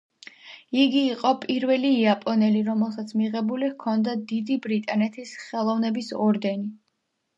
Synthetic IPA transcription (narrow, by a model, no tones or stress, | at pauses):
iɡiːqʼɔpʼiɾvɛliːapʼɔnɛliɾɔmɛlˠsat̪sʰmiʁɛbulihkʰɔnd̪ad̪id̪ibɾit̪ʼanɛt̪ʰisχɛlˠɔvnɛbisɔɾd̪ɛni